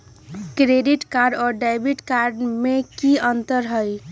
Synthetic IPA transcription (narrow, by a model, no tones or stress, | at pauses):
kɾeɖiʈkaɾɖɔːɾɖajbiʈkaɾɖmekiənt̪əɾɦəj